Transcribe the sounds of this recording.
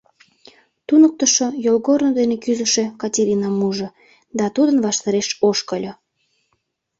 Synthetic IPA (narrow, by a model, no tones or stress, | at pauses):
t̪unək̚t̪əʃojolɣornod̪enekyzəʃekɑtʲeɾʲinɑmuʒŏ | d̪ɑt̪ud̪ənβɑʃt̪ɑɾeʃoʃkəlʲo